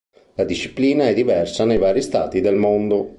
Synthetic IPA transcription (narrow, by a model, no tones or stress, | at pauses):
lad̪iʃːi̥pliːnaɛd̪ːivɛrsanejvaːɾist̪a̰ːt̪id̪elmond̪o